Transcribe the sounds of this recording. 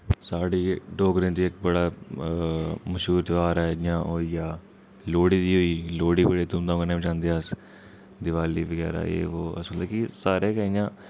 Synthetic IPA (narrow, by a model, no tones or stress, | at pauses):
saːɽiːɖoːɡɾɪ̃nd̪iːɪkbəɽaː | məʃɦuːɾt̪aːɾɛːɪjãːɦoːijaː | loːɽiːd̪iːɦoːiːloːɽiːbəɽiːt̪ʊmd̪ãkənẽːd͡ʒãːnd̪es | d̪ɪʋaːliːʋəɡɛ̰ːɾa̰ːḛːoːə̰smət̪leːkisaːɾeːkɛijãː